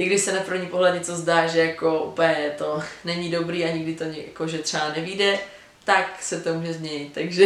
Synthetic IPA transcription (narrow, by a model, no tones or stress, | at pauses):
ʔɪɡdɪʃsɛnapr̩vɲipoɦlɛt̪ɲɛt͡sozdaːʒɛjako̞ʔṵpɲɛt̪o̞nɛɲidobɾiːaɲɪɡdɪt̪oja̰koʒɛt̪r̥ɛanɛviːdɛ | t̪aksɛt̪o̞muːʒɛzɲɛɲɪt̪̚t̪ːaɡʒɛ